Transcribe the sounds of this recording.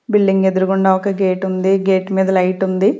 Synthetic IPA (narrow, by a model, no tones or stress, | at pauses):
bilɖiŋɡe̞d̪uɾuɡuɳɖaːɔkɐɡe̞ːʈund̪iɡeːʈmiːd̪ɐlɐjʈund̪i